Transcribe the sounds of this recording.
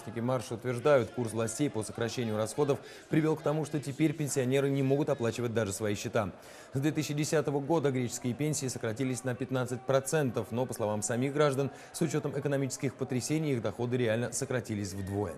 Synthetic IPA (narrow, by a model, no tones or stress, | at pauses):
sʲnʲɪkʲɪmarʂəʊt̪vʲɪrʐd̪ajʊt̪kursvlˠɐsʲtʲejpo̞sə̥kɾɐɕːenʲɪjʊɾɐsxo̞d̪əf | pɾʲɪvʲe̞lˠkt̪ɐmuʂt̪o̞tʲɪpʲeɾʲpʲɪnʲsʲɪɐnʲe̞ɾɨnʲɪmo̞ɡʊt̪ɐplˠat͡ɕɪvət̚ʲd̪aʐɨsvɐiɕːɪt̪a | sd̪vʲe̞t̪ɨɕːɪdʲɪsʲat̪əvəɡo̞d̪əɡɾʲet͡ɕɪ̥skʲɪjəpʲenʲsʲɪːsəkɾɐtʲilʲɪsʲnəpʲɪt̪nat̪sɨt̚ʲpɾɐt̪sɛnt̪əfno̞pəslˠɐvamsɐmʲixɡɾaʐd̪ən | sʊt͡ɕo̞t̪əmɪkənɐmʲit͡ɕɪ̥skʲɪxpət̪ɾʲɪsʲenʲɪjiɣd̪ɐxo̞d̪ɨɾʲɪalʲnəsəkɾɐtʲilʲɪsʲvd̪vo̞jə̰